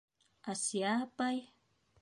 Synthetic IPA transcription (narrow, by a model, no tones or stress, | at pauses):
ʔasiapaj